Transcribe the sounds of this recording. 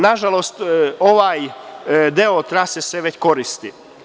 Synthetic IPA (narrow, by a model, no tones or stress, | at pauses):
naʒalost̪oʋaːjd̪eot̪ɾaseseʋe̞t͡ɕko̞ɾist̪i